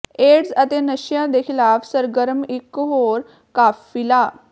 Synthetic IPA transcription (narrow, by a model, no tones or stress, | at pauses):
eɽzət̪enəɕjãd̪ekʰilaːfsəɾɡəɾəmikːɦoɾ | kafːila